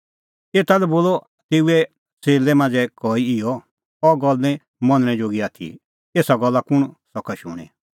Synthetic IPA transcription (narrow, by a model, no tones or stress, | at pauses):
eːt̪alɛboːlɔ | t̪eːuɛ | seːlɛmãːd͡zɛkɔiɪjɔ | ɔɡɔlɛ̃ | mɔ̃nñɛ̃d͡ʒoːɡiaːt̪ʰḭ | eːsaɡɔlːakʊɽ̃sɔkʰaʃʊ̰ːɽ̃ɛ̰̃